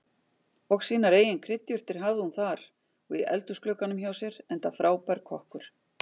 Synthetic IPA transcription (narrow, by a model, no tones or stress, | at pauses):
ɔɣsiːnaɾeːjɪnkʰɾɪt̪jʏr̥t̪ɪɾ̥ɦavðɪhunθaɾ̥ | ɔḭʔɛ̰lt̪ʏsklœːkanʏmçaːwsjɛɾɛnt̪afɾaːwpɛɾkʰɔhkʏɾ̥